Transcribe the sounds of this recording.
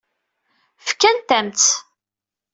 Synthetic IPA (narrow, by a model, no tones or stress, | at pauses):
fkːænt̪æmt̪